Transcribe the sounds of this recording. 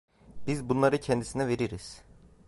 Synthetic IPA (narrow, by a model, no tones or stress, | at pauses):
b̥izbunlˠaɾɯcʰɛnd̪isinɛve̞ɾiɾiz̥